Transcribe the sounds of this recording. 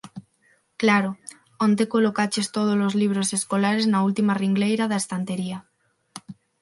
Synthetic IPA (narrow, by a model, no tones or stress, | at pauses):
klaɾo | ont̪̬ekolokat͡ʃest̪oð̞ozlozliβ̞ɾoseskolaɾeznault̪imariŋɡlejɾaðaest̪ant̪eɾia